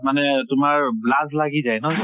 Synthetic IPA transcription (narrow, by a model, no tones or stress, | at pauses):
manɛtʊmaɹblazlaɡizajnɔ